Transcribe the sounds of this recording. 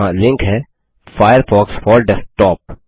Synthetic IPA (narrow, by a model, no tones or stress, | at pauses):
ãlɪ̃ŋkɦɛː | faːjəɾfɔːksfɔːɾɖɛfʈɔːp̚